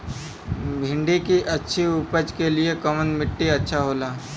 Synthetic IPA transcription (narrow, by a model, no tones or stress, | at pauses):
bʱɪ̃ɳɖikiʔɐtːʃʰiʊpəd͡ʒkeliekəmənmɪʈːiɐtːʃʰaɦoːlaː